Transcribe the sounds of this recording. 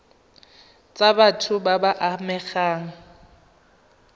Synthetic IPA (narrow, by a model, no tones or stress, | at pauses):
t͡sʼabatʰʊbabaʔamɛɣaːŋ̩